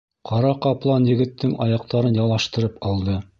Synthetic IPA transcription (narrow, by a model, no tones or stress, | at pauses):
qɑɾɑqɑplˠɑnjɘ̆ɡɘ̆t̪ːɘŋʔɑ̰jɑq̚t̪ɑɾɤnjɑlˠɑʃt̪ɤ̆ɾɤpɑlˠd̪ɤ